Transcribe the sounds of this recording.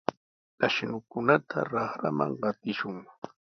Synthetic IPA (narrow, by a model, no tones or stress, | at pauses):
t̪aʃnʊkʊnat̪ʰa̰ɾɑχɾa̰ma̰ŋɢɑt̪ɪʃʊŋ